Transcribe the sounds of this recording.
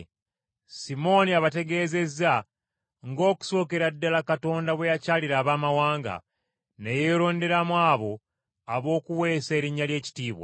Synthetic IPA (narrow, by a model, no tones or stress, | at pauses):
simo̞niaβate̞ɡe̞ːze̞za | ŋɡo̞ːku̥so̞ːke̞ɾadːalakato̞ndaβwe̞jacaːliɾaːβaːmawaːŋɡa̰ | nejeːɾo̞ːnde̞ɾamwaːβo̞ | aβo̞ːkuwe̞ːseɾiɲːalje̞ːci̥tiːβwa̰